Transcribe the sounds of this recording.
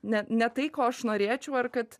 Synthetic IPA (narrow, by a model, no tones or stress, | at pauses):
nʲɛnʲɛt̪ɐɪkoːɐʃnoːɾʲeːt͡ʃʲɛʊɐrkɐt̪